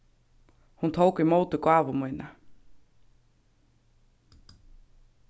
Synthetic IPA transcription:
hunt̪ʰowkimoːwt̪ʏkwaːvʊmujna

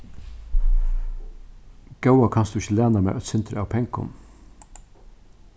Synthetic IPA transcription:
ɡ̥ɑʊɑkʰɑnsd̪ʉːɪçəlæːnɑmæ̰ʔœt̪sɪnt̪ʰɾə̰ɑːʋpʰɛŋkʊ̰m

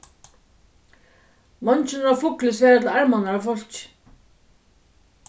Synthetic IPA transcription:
mɔnt͡ɕɪnɾafʊklɪsɛɾɛt̪laɾmanaɾafɔl̥t͡ɕ

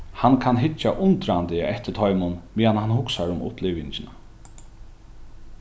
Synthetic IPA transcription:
hankʰanɦɪt͡ʃːaʔʊnt̪ɾant̪ɪ̰ɛht̪ɪt̪ʰɔjmʊnmiːanhanhʊksaɾʊmʊ̰hplɪːʋɪɲt͡ʃɪna

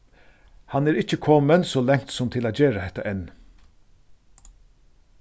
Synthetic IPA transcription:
hanɛːɾɪt͡ɕəkʰɔːmənsɔːlɛŋ̥t̪sʊmt̪ʰɪlaːt̪d͡ʑeːɾahɛt̪ːaʔɛnː

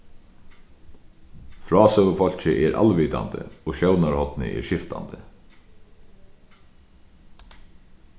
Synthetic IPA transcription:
fɾɔːsɛʋəfɔl̥t͡ɕɪʔɛɾʔa̰lʋiːt̪a̰nt̪ə̰ɔʃœwnaɾhɔt̪nɪ̰ʔɛ̰ɹɕɪft̪a̰nt̪ɪ

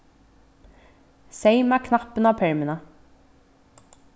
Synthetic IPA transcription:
seɪmæːkʰnɑpənɑːpʰɛɹmɪnɑ

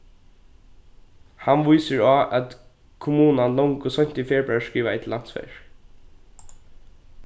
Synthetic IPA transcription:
hanʋujsɪɹaːʔæt̪ | kʰʊmuːnanlɔŋkʊsɔɲ̥t̪ɪfjɛːɹbɹaɹʂkiːʋaɛt̪ʰlːan̥t̪sfɛ̰ɹ

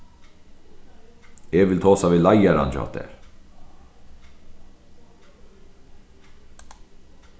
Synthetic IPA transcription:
ɛvɪlt̪ʰɔːsavilajaɾa̰nt͡ɕɔ̰ht̪ɛ̰ɾ̥

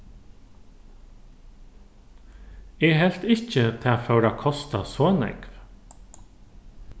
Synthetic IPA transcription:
ɛːɦɛl̥t̪ɪçc͡çət̪ʰɛːafœʉɾakʰɔst̪a̰soːnɛ̰kv

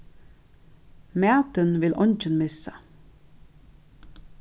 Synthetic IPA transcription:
mæːt̪ənʋɪlʔɔnt͡ʃənmɪsə

